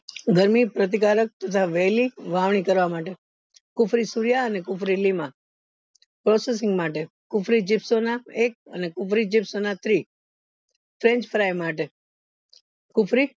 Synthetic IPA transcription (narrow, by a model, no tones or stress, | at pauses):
ɡəɾmipɾət̪̬ikaɾək̚t̪ət̪ʰaʋɛliʋaʋɳ̃ikəɾʋamaʈe | kʊfɾisuɾjaənekʊfɾilima | pɾoses̬ɪ̃ŋɡmaʈe | kʊfɾid͡ʒɪpsonaek̚ə̰nekʊfɾid͡ʒɪpsonat̪ɾi | fʰɾẽɲt͡ʃfʰəɾajmaʈe | kʊfɾi